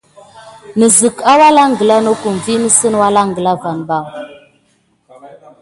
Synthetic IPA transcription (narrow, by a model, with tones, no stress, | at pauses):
nə˨zə˨ka˦wa˦la˦ŋ˨ɡə˨la˦no˦ku˨m˨vi˦nə˦sə˦n˦wa˦la˦ŋ˨ɡə˨la˦va˨nba˦˨